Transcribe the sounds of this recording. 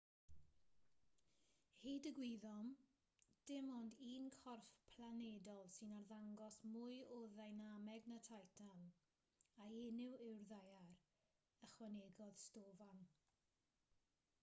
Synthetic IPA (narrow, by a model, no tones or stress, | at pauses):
hidəɡwiðɔm | d̥ɪmɔndiːnkʰɔrfpʰlˠanedɔlˠsɪnarðaŋɡɔsmʊɨɔðajnamɛɡnətʰajtʰan | aenɪwɪwrðajar | əχwaneːɡɔð̥stoːvan